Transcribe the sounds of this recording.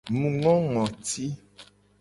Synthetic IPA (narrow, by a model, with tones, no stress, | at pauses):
mũ˨ŋɔ̃˦ŋɔ̃˨t̪i˦